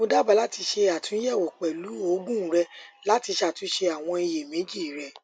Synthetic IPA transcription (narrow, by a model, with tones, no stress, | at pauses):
mo˧da˦ba˨˦la˨˦ti˧ʃe˧a˨tũ˨˦jɛ˦˨wo˨k͡pɛ˨lu˨˦o˦ɡũ˦ɾɛ˧la˨˦ti˧ʃa˦˨tũ˨˦ʃe˧a˨w̃ɔ̃˧i˧je˨mẽ˨˦d͡ʒi˦˨ɾɛ˨